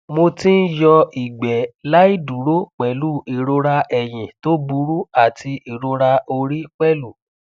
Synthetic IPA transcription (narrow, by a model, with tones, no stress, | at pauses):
mo˧tĩ˦n̩˦jɔ˧i˨ɡ͡bɛ˨la˦i˦du˨˦ɾo˦k͡pɛ˨lu˦i˨ɾo˧ɾa˧ɛ˨j̃ĩ˨to˦bu˧˦ɾu˦a˦˨ti˧i˨ɾo˧ɾa˧o˧ɾi˦k͡pɛ˦lu˨